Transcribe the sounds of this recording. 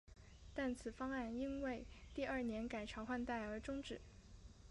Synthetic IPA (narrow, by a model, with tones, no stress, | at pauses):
t̪a˥˩nt͡sʰɹ̩˨˩fɑ˥ŋa˥˩ni˥nwe˥˩ɪt̪i˥˧ɐ˞˥˩njɛ˧˥nka˨˩ɪʈ͡ʂʰɑ˧˥ʊxwa˥˧nt̪a˥˩ɪə˞˧˥ʈ͡ʂʊ˥ŋʈ͡ʂɻ̩˨˩˦